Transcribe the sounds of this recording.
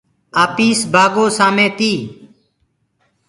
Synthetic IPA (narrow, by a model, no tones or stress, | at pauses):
aːpiːsbʱaːɡoːsaːmẽːt̪iː